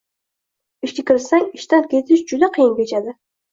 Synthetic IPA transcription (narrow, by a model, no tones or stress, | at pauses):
ɪʃkʲekʲɪɾsaŋɪʃt̪ankʲet̪ʰɪʃd͡ʒʊd̪aqʰɨjɪnbʲet͡ʃad̪ɪ